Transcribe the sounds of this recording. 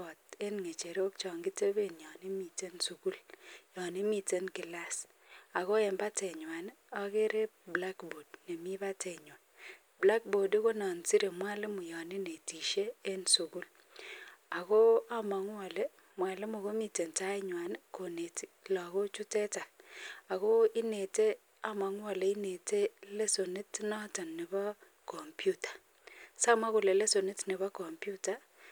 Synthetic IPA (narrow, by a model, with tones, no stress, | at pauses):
ɔ˨te˦nŋe˨t͡ʃe˨ɾo˦k̚t͡ʃɔ˨ŋɡi˦te˦be˦˨njɔ˨ni˦mi˨te˦nsu˨ku˦ljɔ˨ni˦mi˨te˦nkɪ˨la˦s | a˨ɣo˦e˨mba˦te˨ɲwa˨n | ɔ˦ke˦ɾe˦ | bla˦kbo˨dne˨mi˦ba˦te˨ɲo˨n | bla˦k̚bo˨de˦ko˦nɔ˨nsi˦ɾe˨mwa˦lɪ˦mu˨jɔ˨nɪ˦ne˨ti˨ʃe˦e˦nsu˨ku˦l | a˨ko˦a˦ma˨ŋ˦a˨le˦ | mwa˨lɪ˦mʊ˨ko˦mi˨te˨nta˦ɪ˦ɲwa˨n˦ko˨ne˨ti̥˨lɔ˨ko˦t͡ʃu˦tɛ˦ta˨la˨ko˦ɪ˦ne˨te˦ | a˦ma˨ŋ˦a˨le˨ɪ˦ne˨te˦le˦so˨nɪ˦tnɔ˦ta˨nːɪ˨ba˦ | kɔ˨mpju˦tḁ˨ | sa˦ma˦kʊ˨le˨le˦so˨nɪ˦tnɪ˨βa˦kɔ˨mpju˦ta˦